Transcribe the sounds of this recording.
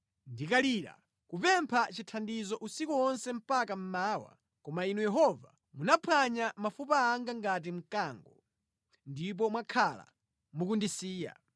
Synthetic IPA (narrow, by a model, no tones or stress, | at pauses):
ndikaliːɾa̰ | kupɛmpʰat͡ʃitʰandizɔʔusikuɔnsɛm̩pakam̩maːwa̰ | kɔmainujɛɦɔva̰ | munapʰwaɲamafupaːŋɡaŋɡat̬im̩kaːŋɡɔ | ndip̬ɔmwakʰala̰ | mukundisiːja̰